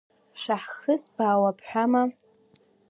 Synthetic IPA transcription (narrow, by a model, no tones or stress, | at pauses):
ʂʷaħxɨsbaːwapʰħʷᶣama